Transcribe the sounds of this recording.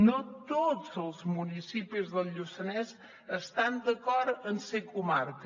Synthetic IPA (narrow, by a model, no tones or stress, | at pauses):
not̪odzəlˠzmunisipizðəlˠʎusənɛz | əst̪and̪əkɔɾənsekumaɾk